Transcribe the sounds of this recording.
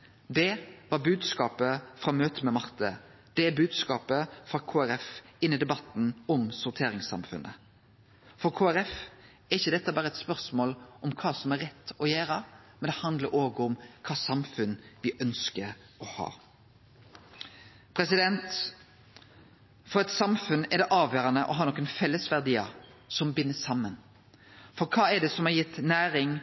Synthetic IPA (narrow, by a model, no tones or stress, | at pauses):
d̪ɛʋɑɾbʉːd̪skɑːpəfɾɑːmøːt̪əmɛmɑʁt̪ʰə | d̪̥ɛbʉːd̪skɑːpəfɾɑkʰoːæɾɛfɪnːɪd̪ɛbɑt̪ːn̩ɔmsʊɾt̪ʰeːɾɪŋsɑ̰mfʉnʔə | fɔɾkʰoːæɾɛf | ɛɾɪçːəd̪ɛt̪ːəbɑːɾəɛt̪spœʁsmoːlʔɔmkʰɑːsɔmæɾɛt̪ːɔjæːɾəmɛnd̪ɛhɑnd̪ləɾoːɡəɔmkʰɑːsɑmfʉnʋɪʔœnskəɾ | ɔhɑ̰ː | pʰɾɛsɪd̪ɛnt̪ | fɔɾɛt̪sɑmfʉnɛd̪ɛʔɑːʋjøːɾɑnəʔɔɦɑːɾnɔkːənfɛlːəsʋæʁd̪iːəsɔmbɪnːəsɑmːən | fɔɾkʰɑːɛd̪ɛsɔmɑjɪt̪ːnæːɾɪŋ